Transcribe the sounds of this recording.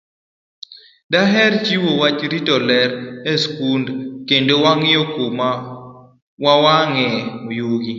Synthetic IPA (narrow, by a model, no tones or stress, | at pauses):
daɦɛrt͡ʃiwowat͡ʃɾitɔlɛɾɛskundkendowaŋɪjokoma | wawaŋɛmojuɡi